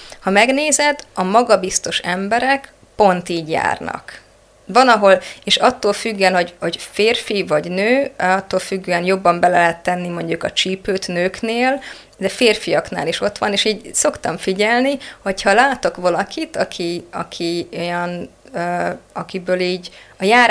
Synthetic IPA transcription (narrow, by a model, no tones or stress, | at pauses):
hɒmɛɡneːzɛd̪ɒmɒɡɒbist̪o̞ʃɛmbɛɾɛk | po̞nt̪iːɟja̰ːrnɒ̰k | ʋɒnɒɦo̞leːʃɒt̪ːoːlfyɡːɛnho̞ɟho̞ɟfeːrfivɒɟnøːɒt̪ːoːlfyɡːøːɛnjo̞bːɒmbɛlɛɛɦɛt̪ːɛnːimo̞ɲɟukɒt͡ʃiːpøːt̪nøːkneːl | d̪ɛfeːrfijɒkn̪a̰ːliʃo̞t̪ʋɒ̰neːʃiːɟso̞kt̪ɒɱfiɟɛlniho̞chɒlaːt̪o̞kʋɒlɒkit̪ɒkʰiɒ̰kʰiojɒn | øɒkibøːliːɟɒjaː